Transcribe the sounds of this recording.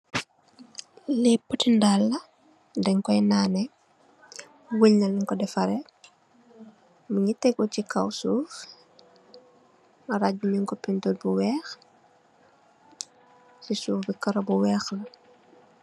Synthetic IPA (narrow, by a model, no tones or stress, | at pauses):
lipːutindalːɐ | dɛŋkɔjnanɛ | wəɲnɐliŋkɔdɛfɐɾɛ | muɲitɛɡɔcikawsuːf | mɐɾaɟumiŋkɔpintotbuwɛːx | sisuːfbikɐɾobuwɛːxlɐ